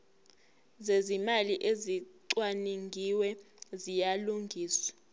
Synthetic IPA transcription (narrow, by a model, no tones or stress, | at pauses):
zezimaliʔeziǀwaniŋʱiwɛ | zijaluŋɡʱiːswḁ